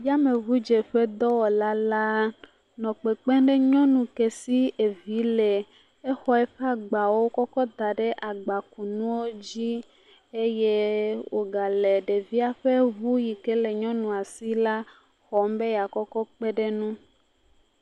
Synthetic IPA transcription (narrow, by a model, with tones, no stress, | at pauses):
ja˦me˨vu˦d͡ʒe˨ɸɛ˦d̪ɔ˦wɔ˨la˦la˦ | nɔ̃˨k͡pe˨k͡pɛ˦ɖe˦ɲɔ̃˦nũ˨ke˨si˦e˨vi˨˦le˨ | e˦xɔ˨ɛ˦ɸɛ˦a˨ɡ͡ba˨wo˦kɔ˦kɔ˦d̪a˨ɖe˦ʔa˨ɡ͡ba˨ku˨nũ˦wo˦d͡ʑi˦ | e˦je˦wo̰˨ɡa˨le˨ɖe˨vi˦a˨ɸe˦vu˦ji˨ke˦le˨ɲɔ̃˦nũ˨a˨si˦la˦ | xɔ˨m˦be˦ja˨kɔ˦kɔ˦k͡pe˦ɖe˦nũ˦